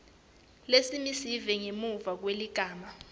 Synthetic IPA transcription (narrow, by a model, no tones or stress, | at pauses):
lesimisivɛŋemuvak̬weliɡ̥ʱaːma